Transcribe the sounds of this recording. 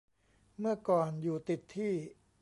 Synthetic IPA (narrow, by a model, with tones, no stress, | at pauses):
mɯ˥˩ɐkɔː˨˩njuː˨˩t̪i˨˩t̪ʰːiː˥˩